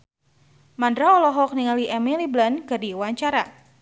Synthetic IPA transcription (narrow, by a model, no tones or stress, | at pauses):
mandɾaɔlɔɦɔk̚niŋaliʔɛmiliblanɡadiwaɲt͡ʃaɾa